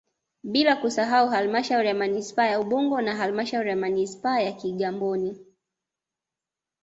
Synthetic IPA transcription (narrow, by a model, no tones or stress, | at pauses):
ɓilakusaɦauɦalmaʃauɾijamanispaːjauɓuŋɡɔnaɦalimaʃauɾijamanispaːjakiɠambɔni